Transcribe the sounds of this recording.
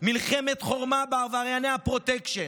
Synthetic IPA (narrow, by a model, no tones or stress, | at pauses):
milχemet̪χo̞ʁmabeavaʁjanejhapʁo̞t̪ekʃe